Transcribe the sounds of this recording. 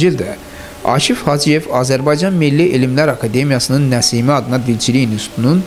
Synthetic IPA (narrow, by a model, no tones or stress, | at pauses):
d͡ʒild̪æ | ɑ̰ʃifhɑd͡ʒije̞vɑːzæɾbɑjd͡ʒɑnmilːiʔelimlæɾɑkʰɑd̪e̞mijɑsɯnɯnːæsiːmiɑd̪ɯnɑd̪ilt͡ʃʰilijinust̪ʰunun